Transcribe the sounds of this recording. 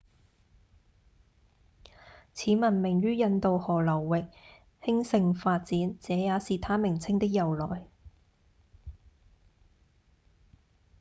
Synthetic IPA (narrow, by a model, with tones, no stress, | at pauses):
t͡sʰiː˨˥mɐ˨˩nmɪ˨˩ŋɥyː˥jɐ˧nt̪o˨whɔː˨˩lɐ˨˩wːɪ˨k̚ | hɪ˥ŋsɪ˧ŋfaː˧t̚t͡siː˨˥nt͡sɛː˨˥jaː˨˧˥siː˨t̪ʰaː˥mɪ˨˩ŋt͡sʰɪ˥ŋt̪ɪ˥k̚jɐ˨˩wlɔ̰ː˨˩j